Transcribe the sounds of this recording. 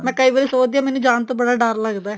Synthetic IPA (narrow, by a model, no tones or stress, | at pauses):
mɛ̃ːkəiːʋəːɾiːsoːd̪ijaːmɛːnũːd͡ʒaːnt̪õːbəɽaːɖəɾləɡd̪aɛ